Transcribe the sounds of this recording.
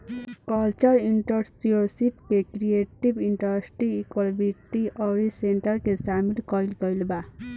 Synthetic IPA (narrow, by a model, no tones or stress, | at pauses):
kʌlt͡ʃʌɾiɳʈʌɾsʈioɾsipkekɾieʈibiɳʈʌɾsʈiːkolbiʈiʌɾiseɳʈʌrkesamilkʌjlkʌjlba